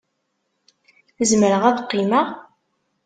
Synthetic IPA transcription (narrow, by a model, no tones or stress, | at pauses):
θəzməɾəʁæðqːiməʁ